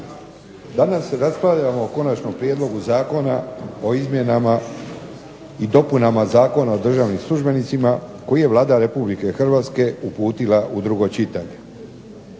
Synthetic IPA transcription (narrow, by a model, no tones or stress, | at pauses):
d̪anaseɾasplaʎamo̞ːko̞nat͡ʃno̞mpɾje̞d̪lˠo̞ɡuzaːko̞nao̞izmʲje̞nama | id̪o̞punamazaːko̞nao̞d̪r̩ʒaːʋnimslˠuʒbe̞nit̪simako̞jije̞ʋlˠaːd̪aɾe̞publike̞xr̩ʋaːt̪ske̞upuːt̪ilaʔud̪ɾuɡo̞t͡ʃit̪aɲe̞